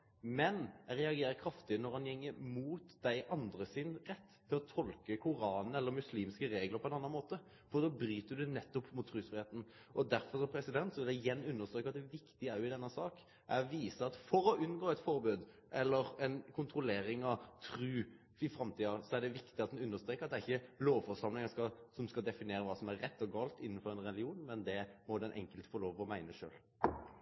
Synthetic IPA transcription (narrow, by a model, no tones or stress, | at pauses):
mɛnæɪɾɛɑɡeːɾəkʰɾɑft̪ɪnɔɾhɑnjɛŋːəɾmuːt̪d̪æɪʔɑnd̪ɾəsɪnʁɛt̪ːʰɪlɔt̪ʰɔlkəkʰʊɾɑːnəɛlːəɾmʉsliːmskəɾeːɡləɾpʰɔɛnɑnɑnmoːt̪ə | fɔd̪oːbɾyːt̪əd̪ʉnɛt̪ːɔpːmʊt̪ʰːɾʉːsfɾɪheːt̪n̩ | ʔɔd̪æɾfɔɾsɔmpʰɾɛsɪd̪ɛnt̪sɔɪld̪æjɛnːʉnːəʁst̪ɾøːkʋɑt̪̚d̪ɛʋɪkt̪ɪæɾɪd̪ɛnːəsɑːk | ʔæɾʋiːsəɑt̪fɔɾɔʔʉnːɡoːɛt̪fɔɾbøːd̪ | ʔɛlːəɾɛnkʰʊnt̪ɾʊleːɾɪŋɑt̪ʰɾʉː | ɪfɾɑmt̪ʰiːɑsɔæɖ̪ɛʋɪkt̪ɪɑt̪̚d̪ɛnʉnːəst̪ɾeːkəɾɑt̪d̪æɪçːəloːʋfɔɾʂɑmlɪŋəskɑsɔmskɑd̪ɛfɪneːɾəʋɑːsɔmæɾːɛt̪ːɔɡɑːlt̪ɪnːən̩fɔɾɛnɾɛlɪuːnmɛnd̪ɛmɔd̪ɛnʔɛ̰ŋkəlt̪fɔɾloːʋɔmæɪnəʂø̰ːl